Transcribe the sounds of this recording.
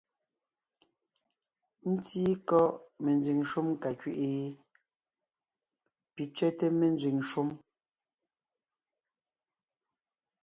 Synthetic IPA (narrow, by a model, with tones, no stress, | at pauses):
n̩˦tiː˦kɔ˦ʔme˨nd͡zɥi˨ŋʃu˦m˦ka˨kɥi˦ʔe˨˦ | pi˨t͡sɥɛ˦te˦me˨n˦d͡zɥi˨ŋʃu˦m